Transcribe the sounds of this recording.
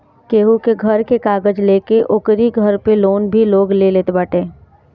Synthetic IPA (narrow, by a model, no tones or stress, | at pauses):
keːɦukeɡʱəɾkekaːɡəd͡ʒleːkeʔokɾiɡʱəɾpeloːnbʱiloːɡleleːt̪ebəːʈeː